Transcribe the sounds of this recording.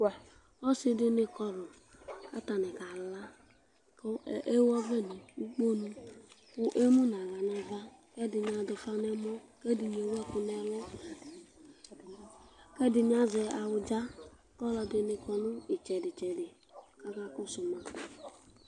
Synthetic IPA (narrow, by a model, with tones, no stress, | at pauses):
ɔ˦sɪ˦dɪ˦nɪ˧kɔ˧lʊ˨ | ka˦ta˨nɛ˨ka˨la˦ | kʔe˦wɔ˦vɛ˦˨ni˨u˦k͡po˦nu˦kʊ˦ʔe˦mu˦n˨a˨ɣa˨na˨va˦kɛ˦dɪ˨ɲ˨a˨dʊ˨˧fa˦nɛ˦mɔ˦kɛ˦di˨ɲ˨e˨wɛ˦kʊ˨nɛ˨lɔ˦ | kɛ˦dɪ˨ɲ˦a˦zɛ˧a˨wʊ˨d͡ʒa˦ | kɔ˦lɔ˧dɪ˨nɪ˨kɔ˨nʊ˦ɪ˨t͡ʃɛ˨dɪ˨t͡ʃɛ˨dɪ˨ | ka˦ka˦kʊ˦sʊ˨ma˨